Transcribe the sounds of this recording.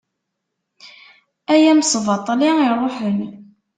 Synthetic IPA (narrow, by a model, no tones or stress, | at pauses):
æjæmsvɑt̪ˤliiɾˤːoħni